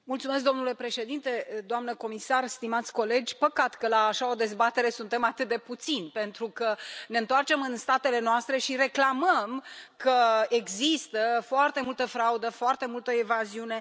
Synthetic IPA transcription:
mult̪sumesk̚d̪o̞mnule̞pɾe̞ʃed̪int̪e̞d̪oamnəko̞misarst̪imat̪sʲko̞le̞d͡ʒʲpəkat̪kəlaːʃao̞d̪e̞zbat̪e̞ɾe̞sunt̪e̞mat̪ɨt̪̚d̪e̞put̪sinʲpe̞nt̪ɾukəne̞ɨnt̪oart͡ʃe̞mɨnst̪at̪e̞le̞noast̪ɾe̞ʃiɾe̞klaməmkəeɡzist̪əfoart̪e̞mult̪əfɾaud̪əfoart̪e̞mult̪əevaziune̞

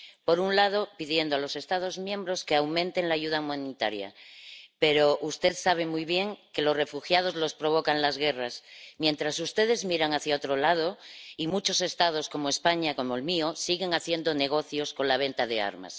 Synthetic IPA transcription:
po̞ɾunlað̞o̞piðje̞nd̪oalo̞se̞st̪að̞o̞zmjẽ̞mbɾo̞skeawmẽ̞nt̪e̞ŋlaːʝuð̞aumãnit̪aɾja̰pe̞ɾoʔust̪e̞ðsaβ̞e̞mujβje̞ŋke̞lo̞sre̞fuxjað̞o̞zlo̞spɾo̞β̞o̞kanlazɣe̞rasmjẽ̞nt̪ɾasust̪e̞ð̞e̞zmiɾaŋaθjaot̪ɾolað̞oimut͡ʃo̞se̞st̪að̞o̞sko̞moespaɲako̞moelmiosiɣe̞ŋaθje̞nd̪one̞ɣ̞o̞θjo̞sko̞nlaβ̞e̞nt̪aðe̞a̰ɾma̰s

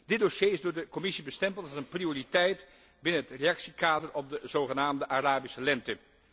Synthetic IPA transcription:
dɪd̚doʃjejɪzdʊːɹdəkɔmɪsibəstɛmpəlˠtɑənprioːritɛjt | bɪnənɦətrejɑksikaːdərɔb̚dəzowχənaːmdəʔaraːbisəlɛntə

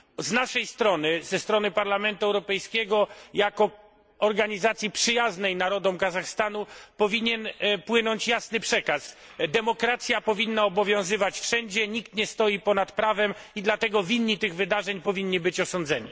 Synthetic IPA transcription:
znaʂɛjst̪ɾɔnɘz̥ɛst̪ɾɔnɘpaɾlamɛnt̪uɛwɾɔpɛjskʲɛɡɔjakɔ | ɔɾɡaɲizat̪sʲjipʂɘjaznɛjnaɾɔd̪ɔmkazaxst̪anupɔvʲiɲɛnpwɘnɔɲt͡ɕjasnɘpʂɛkas | d̪ɛmɔkɾat̪sʲjapɔvʲinːaɔbɔvʲjɔ̃w̃zɘvat͡ɕfʂɛɲd͡ʑɛɲikt̪ɲɛst̪ɔjipɔnat̪pɾavɛmid̪lat̪ɛɡɔvʲinːit̪ɘɣvɘd̪aʐɛɲpɔvʲiɲːibɘt͡ɕɔsɔnd̪zɛɲḭ

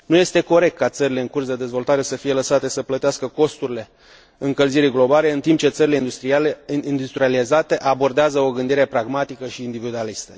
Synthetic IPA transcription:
nuje̞st̪e̞ko̞ɾe̞k̚t̪̚kat̪səɾile̞ɨŋkursd̪e̞d̪e̞zvo̞lt̪aɾe̞səfije̞ləsat̪e̞səplət̪easkəko̞st̪uɾile̞ | ɨŋkəlziɾiɡlo̞bale̞ɨnt̪impt͡ʃe̞t̪səɾile̞ind̪ust̪ɾiaind̪ust̪ɾializat̪e̞ʔabo̞rd̪eazəo̞ɡɨnd̪iɾe̞pɾaɡmat̪ikəʃiːnd̪ivid̪ualist̪ə̥

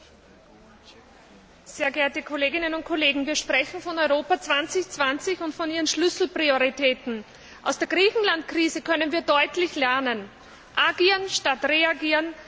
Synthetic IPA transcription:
zeːɐɡɛɐtəkʰoleːɡɪnənʊnt̚kʰoleːɡŋ̩viːɐʃpʁ̥ɛçn̩fɔnɔʏʁoːpɐt͡sv̥ant͡sɪçt͡sv̥ant͡sɪçʊntfɔniːʁənʃlʏsl̩pʁ̥ioʁ̞itʰɛːtn̩ | ʔa̰ʊsd̥eːɐɡʁiːçn̩lantkʁ̥iːzəkʰœnənviːɐdɔʏtlɪçlɛɐnən | ʔaɡiːʁənʃtatʁeaɡiːən

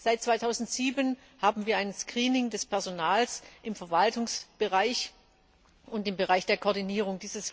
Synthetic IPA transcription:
z̥aɪt̚t͡sv̥aɪtʰaʊzn̩tz̥iːbən | haːbm̩viːɐʔaɪnənskʁ̥iːnɪŋdɛspʰɛɐzonaːlsʔɪmfɛɐvaltʊŋsb̥əʁaɪç | ʔʊntɪmbəʁaɪçd̥eːɐkʰɔɐdiniːʁ̞ʊŋdiːzəs

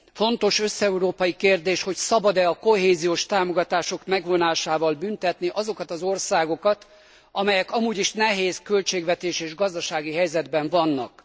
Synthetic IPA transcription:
fo̞nt̪o̞ʃø̞sːɛuɾoːpɒjikeːrd̪eːʃho̞csɒbɒd̪ɛɒko̞ɦeːzijoːʃt̪aːmo̞ɡɒt̪aːʃo̞kmɛɡvo̞naːʃaːvɒlbynt̪ɛt̪niʔɒzo̞kɒt̪ɒzo̞rsaːɡo̞kɒt̪ | ʔɒmɛjɛkɒmuːɟiʃnɛɦeːskølt͡ʃeːɡvɛt̪eːʃeːʒɡɒzd̪ɒʃaːɡiɦɛjzɛd̪bɛɱvɒnːɒk

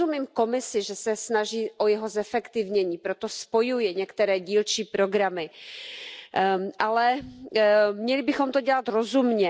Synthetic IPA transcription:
umiːmko̞mɪsɪʒɛsɛsnaʒiːʔojɛɦo̞zɛfɛkt̪ɪvɲɛɲiːpɾot̪o̞spo̞jujɛɲɛkt̪ɛɾɛːɟiːlt͡ʃiːpɾo̞ɡɾamɪ | ʔalɛ | mɲɛlɪbɪxo̞mt̪oɟɛlat̪ɾo̞zumɲɛ

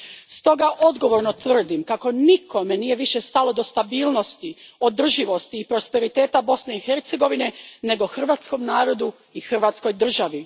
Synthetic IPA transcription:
st̪o̞ɡaʔo̞d̪ɡo̞ʋo̞ɾno̞t̪ʋr̩d̪imkako̞niko̞me̞nije̞ʋiʃe̞st̪alo̞d̪o̞st̪abiːlˠno̞st̪io̞d̪r̩ʒiʋo̞st̪iːpɾo̞spe̞ɾit̪e̞ːt̪abo̞sne̞ixe̞ɾt̪se̞ɡo̞ʋine̞ne̞ɡo̞xr̩ʋat̪sko̞mnaːɾo̞d̪u | ixr̩ʋat̪sko̞jd̪r̩ʒaʋi

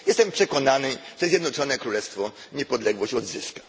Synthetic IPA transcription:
jɛst̪ɛmpʂɛkɔnanɘʐ̥ɛzʲjɛd̪nɔt͡ʂɔnɛkɾulɛst̪fɔɲɛpɔd̪lɛɡwɔɕt͡ɕɔd̪zɘskḁ

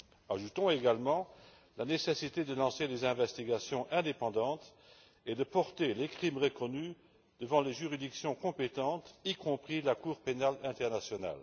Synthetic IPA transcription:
aʒut̪ɔ̃eɡalmɑ̃ | lanesesit̪ed̪əlɑ̃sed̪ezɛ̃vɛst̪iɡasjɔ̃ʔɛ̃d̪epɑ̃d̪ɑ̃t̪ | ed̪əpɔʁt̪elekχimʁəkɔny | d̪̥əvɑ̃leʒyʁid̪iksjɔ̃kɔ̃pet̪ɑ̃t̪ikɔ̃pχilakuːʁpenalɛ̃t̪ɛʁnasjɔna̰l

